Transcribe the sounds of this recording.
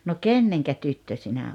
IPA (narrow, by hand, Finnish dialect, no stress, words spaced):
no kenːeŋkæ tytːø sinæ